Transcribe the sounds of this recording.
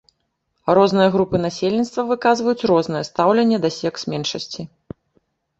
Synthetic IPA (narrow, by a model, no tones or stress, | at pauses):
rɔznɨjɐɣɾupɨnasʲelʲnʲit̪st̪vɐvɨkazvɐjut͡sʲrɔznɨjɛst̪awlʲɛnʲːɛd̪ɐsʲɛksmʲɛnʂɐsʲt͡sʲi